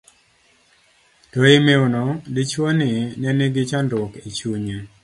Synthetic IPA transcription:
tɔɪmeonɔdɪt͡ʃwonɪnɛneɡɪt͡ʃandwɔkit͡ʃuɲe

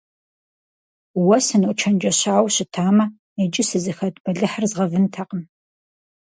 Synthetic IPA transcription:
wɐsɨnɨt͡ʃʰɐnd͡ʒɐɕaːwɕɪtʰaːmɐ | ed͡ʒɪsɨzɨxɐtʼb̥ɐɮɨħərzʁɐvɨntʰɐqəm

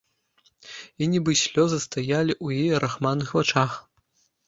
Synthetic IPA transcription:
inʲibɨsʲlʲɔzɨst̪ajalʲiʔujijɐɾʔaxmanːɨxvat͡ʂax

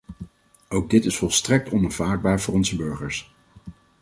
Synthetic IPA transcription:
owɡ̚dɪtɪsfɔlˠstrɛk̚tɔnav̥aːd̚baːɹvʊːɹɔnzəbøɹχəɹs

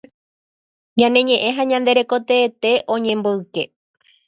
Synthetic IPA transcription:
ɲãnẽ̞ɲẽ̞ʔẽ̞ɦãɲãnd̪e̞ɾe̞ko̞t̪eːt̪e̞ʔõ̞ɲẽ̞mboɨke̞

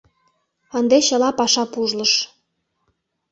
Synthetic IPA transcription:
ənd̪eɕə̆lɑpɑʃɑpuʒlə̆ʃ

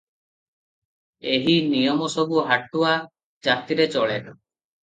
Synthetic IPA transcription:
eɦinijɔmɔsɔbuɦaʈua | d͡ʒat̪iɾet͡ʃɔɭe

